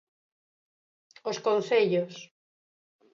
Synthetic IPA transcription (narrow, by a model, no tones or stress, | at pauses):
oskonθeʎos